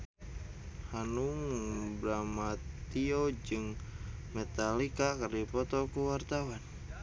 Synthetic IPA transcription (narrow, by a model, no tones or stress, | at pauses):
hanuŋbɾamat̪iod͡ʒɨŋmet̪alikakɨrdipɔt̪ɔkuwart̪awan